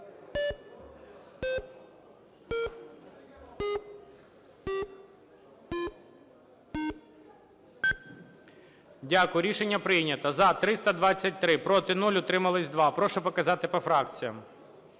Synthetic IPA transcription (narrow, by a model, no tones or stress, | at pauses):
dʲakʊjɾʲiʃenʲːɐpɾɪjnʲɐt̪ɐzɐt̪ɾɪst̪ɐd̪ʋɑt͡sʲːɐt̚ʲt̪ɾɪpɾɔt̪ɪnulʲʊt̪ɾɪmɐlˠɪsʲd̪ʋɑpɾɔʃɔpɔkɐzɑt̪ɪpɔfɾɑkt͡sʲijɐm